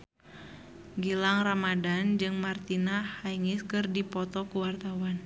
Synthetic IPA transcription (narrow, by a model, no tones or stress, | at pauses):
ɡilaŋramadand͡ʒɨŋmart̪inahaiŋiskɨrdipɔt̪ɔkuwart̪awan